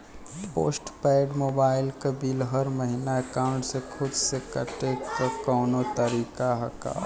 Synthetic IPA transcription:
po̰ːsʈpɛːɖmoːbaːɪlkɐbiːlɦɐɾməɦinaekaːʊɳʈsekʰʊd̪sekɐʈekokɔːnot̪əɾiːkaɦɐka̰ː

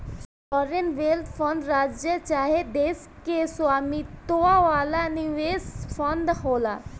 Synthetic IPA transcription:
fɔɾenʋelt̪ʰfʰɔ̃nd̪ɾaːd͡ʒjət͡ʃaɦed̪es | kesaːmit̪oaʋalaniʋesfɔnd̪ɦola

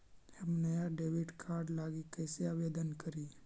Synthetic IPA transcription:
hɐmnɐjaɖeːʋɪɖkʰaːɾɖlaːɡikɛːseaːʋeːd̪ənkɐɾiː

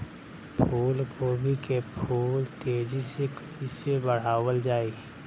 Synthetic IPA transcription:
pʰuːlkobʱikepʰuːlt̪eːd͡ʒisekəisebəɽ̤aːwəld͡ʒaːiː

